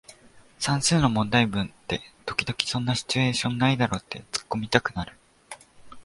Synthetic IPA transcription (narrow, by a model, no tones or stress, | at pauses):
sãɰ̃sɨːno̞mõ̞nd̪aibɯ̟̃nt̪e̞t̪o̞̥kʲid̪o̞kʲi̥sõ̞nːaɕi̥t͡ɕɨe̞ːɕõ̞nːaid̪aɾo̞ːt̪ʰːe̞t͡sɨ̥kːo̞mʲit̪akɯ̟naɾɯ̟